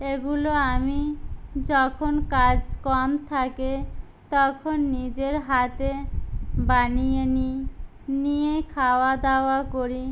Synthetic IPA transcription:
eɡuloamid͡ʑɔkʰonkad͡ʑkɔmt̪ʰake | t̪ɔkʰonːid͡ʑeɾɦat̪e | banijeni | nijekʰaoad̪aoakoɾi

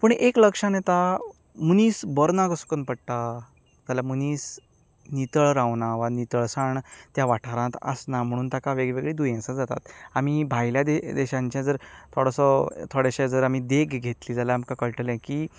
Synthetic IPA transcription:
pəɳekləkʂanet̪a | muniːsbəɾnakəskənpəɽʈ̪a | t̪alamuniːs | nit̪əɭɾãʋnaʋanit̪əɭsaɳt̪jaʋaʈʰaɾãt̪ə̰snam̤əɽ̃uːnt̪akaʋeɡɭeʋeɡɭed̪ujẽsãd͡zat̪a̰t̪amibʱajljad̪ed̪eɕãɲt͡ɕjãd͡zəɾt̪ʰoɽəsɔt̪ʰoɽɛɕed͡zəɾam̤id̪eɡɡʱet̪liːd͡zalaamkakəɭʈəlɛ̃kiː

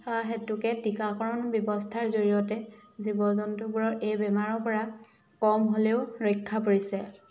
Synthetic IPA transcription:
ɦetukɛtikakɔɹɔnbjɔbɔstʰaɹzoɹijɔtɛ | zibɔzɔntubuɹɔɹʔejbɛmaɹɔpɔɹa | kɔmɦoleʊɹɔkʰːapoɹisɛ

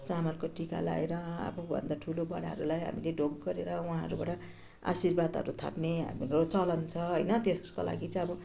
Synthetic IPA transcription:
t͡samʌrkoʈika̰la̰eɾʌa̰bubʱʌ̰nd̪aʈʰulobʌɽaɦʌɾulajɦa̰mileɖʱoɡɡʌɾeɾʌuɦãɦʌɾubaʈʌ | a̰sirbad̪ʱɦʌ̰ɾut̪ʰa̰pneɦa̰miɾot͡sʌlʌnt͡sʰʌɦʌjnʌt̪eskola̰ɡit͡sʌʌbʌ

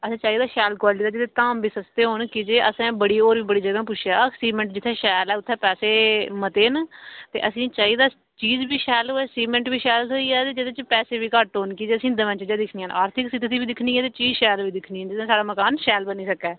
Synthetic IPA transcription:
əsĩːt͡ʃaːiːd̪aːʃɛːlkwaːlʈiːd̪aːd͡ʒɪt̪ʰet̪aːmbiːsəst̪eːɦoːnkɪd͡ʒeːʔəsɛ̃ːbəɽiːoːɾʋiːbəɽiːd͡ʒəɡãːpʊt͡ʃʰjaːsiːmɛ̃ɳʈd͡ʒɪt̪ʰːɛ̃ːʃɛːlɛːʊt̪ʰːɛ̃ːpɛːseːmət̪eːnt̪ḛːʔəsĩːt͡ʃaːiːd̪aː | t͡ʃiːzbiːʃɛːloɛːsiːmɛ̃ɳʈbiːʃɛːlsoːiːɛːt̪eːd͡ʒɪd̪ẽːt͡ʃpɛːseːʋiːkəʈɦoːnkiːd͡ʒeːəsĩːd̪əʋə̃nt͡ʃd͡ʒeːd̪ɪkʰniãːnaːɾt̪ʰɪksɪt̪ːt̪ʰiːbiːd̪ɪkʰniːɛːt̪eːt͡ʃiːzʃɛːlʋiːd̪ɪkʰniːnd͡ʒɪd̪ẽːsaːɽaːməkaːnʃɛːlbəniːsəkɛː

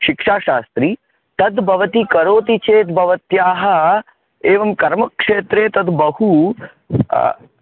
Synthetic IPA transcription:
ʃikʂaːʃaːst̪ɾiː | t̪ɐd̪bʱɐʋɐt̪ikɐɾoːt̪it͡ʃeːt̪bʱɐʋɐt̪jaːɦɐ | eːʋɐmkɐɾmɐkʂeːt̪ɾeːt̪ɐd̪bɐhṵ

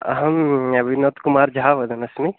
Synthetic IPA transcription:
ɦɐmɐbʱinoːt̪kumaːɾd͡ʒʱaːʋɐd̪ɐnɐsmi

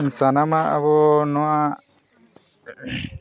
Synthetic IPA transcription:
nsanamaʔa̰βɔnɔwaʔ

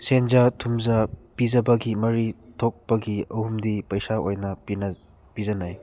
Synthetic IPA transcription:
senzatʰumzapizɐbɐɡimɐɾitʰok̚pɐɡiɐhumdipɐjsaojnɐpinɐ | pizɐnaj

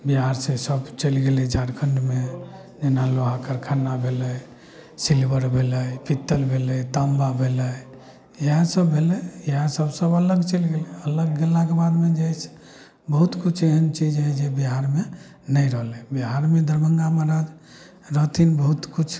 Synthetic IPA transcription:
biɦaɾsẽsəbt͡ʃəlɡelɛd͡ʒaɾkʰəɳɖme | d͡ʒenaloɦakəɾkʰanːabʱeləj | silbəɾbʱeləjpit̪ːəlbʱelət̪əmbabʱelə | əɦãsəbːelɛeɦãsəbsəbələɡt͡ʃəlɡelɛələɡːelːakebad̪med͡ʒais | bəɦut̪kut͡ʃʰeɦənt͡ʃid͡ʒɦɛd͡ʒebiɦaɾme | nəjɾəɦlɛbiɦaɾmed̪əɾməŋɡaməɾad͡ʒ | ɾət̪inbəɦut̪kut͡ʃʰ

